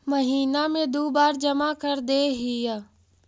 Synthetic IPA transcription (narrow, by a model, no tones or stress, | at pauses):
məɦiːnamẽd̪oːbaːɾd͡ʒɐmakəɾd̪eːɦiə